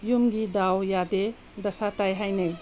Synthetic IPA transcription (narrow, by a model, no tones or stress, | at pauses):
jumɡid̪awjad̪e | d̪ʌsat̪ajɦajnɐj